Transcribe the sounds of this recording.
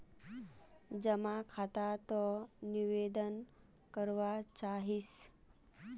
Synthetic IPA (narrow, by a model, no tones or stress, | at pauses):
d͡ʑəmakʰat̪at̪ɔniʋed̪ən | kəɾʋat͡ɕaɦis